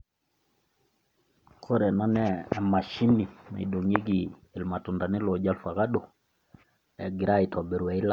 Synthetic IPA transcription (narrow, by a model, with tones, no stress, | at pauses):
kʰo˦ɾɛ˨na˦nɛː˦˨ma˨ʃi˦ni˨ma̰˨iɗo˨ŋe˦ɡiː˨lma˨tu˨nda˨ni˦lɔ˨ɟa˦lfa˨ka˦ɗo˨ | ɛ̰˨ɡi˨ɾa˦i˨tɔ˨bi˨ɾwɛ˨i˦la˦